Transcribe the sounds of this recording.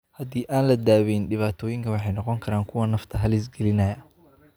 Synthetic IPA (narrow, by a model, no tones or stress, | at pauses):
hɐd̪iːʔaːnlɐd̪aːβɛnɖɪβaːt̪ʰɔːjɪŋkʰɐwɑħɑjnɔqɔŋkʰɐɾaːŋkʰʊwɐnɐft̪ʰɐɦɐlɪs̬ɡɛlɪnɐjɐ